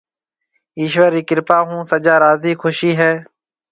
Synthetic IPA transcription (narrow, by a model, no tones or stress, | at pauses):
iːʃʋəɾiːkɪɾpaːɦũːsəd͡ʒaːɾaːziːkʰʊʃiːɦɛː